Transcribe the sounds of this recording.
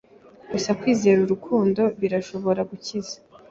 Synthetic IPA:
ɡ̥usakwiːze̞ːɾuɾukʰuːndo̞βiɾaʃo̞βo̞ɾaɡucizḁ

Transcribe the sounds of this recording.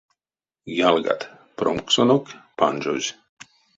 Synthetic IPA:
jalɡa̰t̪ | pɾomksonokpand͡ʒo̰z

